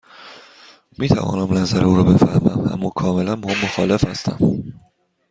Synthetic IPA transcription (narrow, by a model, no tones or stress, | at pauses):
miːt̪ʰæ̰vɒ̰ːnæmlæzæɾeuːɾɒːbe̞fæɾmæ̰mæ̰mːɒːkʰɒːme̞lænbhɒmmoxɒːlefhæst̪æ̰m